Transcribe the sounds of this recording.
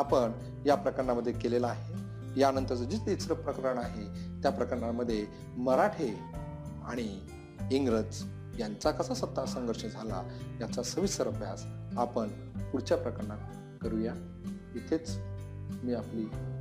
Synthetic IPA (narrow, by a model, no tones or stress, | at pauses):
apəɳ | japɾəkəɾɳaməd̪ʱːjekelelaːɦe | janənt̪əɾt͡səd͡ʑit͡sit͡sɾəpɾəkəɾəɳaɦet̪japɾəkəɾɳaməd̪ʱːje | məɾaʈʰe | a̰ɽ̃i | iŋɡɾət͡s | jant͡sakəsasət̪ːasəŋɡəɾʂəɳd͡zʱala̰jat͡sasəʋisəɾəbʱjasapəɳ | puɽt͡ɕjapɾəkəɾɳa | kəɾuja | it̪ʰet͡s | miːapli